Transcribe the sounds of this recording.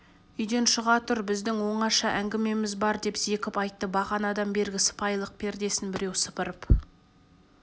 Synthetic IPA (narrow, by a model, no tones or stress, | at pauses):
ʏjd̪e̞nʃəʁɑt̪ʊɾbɪzd̪ɪŋwo̞ɴɑʃɑʔæŋɡʲɪme̞mɪzbɑɾd̪e̞pz̥e̞kʲɪpɑjt̪ːəbɑʁɑnɑd̪ɑnbe̞ɾɡʲɪsə̥pɑjlˠəq̚pʰe̞ɾd̪e̞sɪnbɪɾe̞wsə̥pəɾəp